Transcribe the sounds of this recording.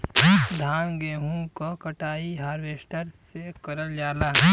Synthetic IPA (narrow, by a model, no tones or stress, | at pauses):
d̪ʱaːnɡeːɦũkokɐʈaːiɦaːɾʋeːsʈəɾssekɐɾəld͡ʒaːlaːɦ